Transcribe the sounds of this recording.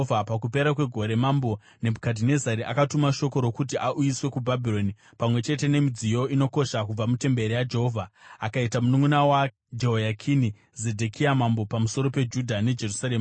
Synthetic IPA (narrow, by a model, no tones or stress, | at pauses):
vʱapakupe̞ɾakwe̞ɡʱo̞ɾe̞mambo̞ | ne̞bʱukadʱine̞zaɾiʔa̰katumaʃo̞ko̞ɾo̞kut̬iʔaʔujiswe̞kubʱabʱiro̞ni | pamwe̞t͡ʃe̞te̞ne̞mid͡zijo̞ino̞ko̞ʃakub͡vamute̞mbeɾijad͡ʒe̞ɦo̞vʱaakaitamunumunawa | d͡ʒeɦojakʰini | ze̞dʱekʰiamambo̞pamuso̞ɾo̞pe̞d͡ʒudʱane̞d͡ʒe̞rusaɾe̞ːma